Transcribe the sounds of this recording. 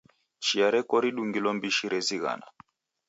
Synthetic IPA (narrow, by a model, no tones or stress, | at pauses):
t͡ʃiaɾɛkɔɾiɗuŋɡilɔmbiʃiɾɛziɣa̰na̰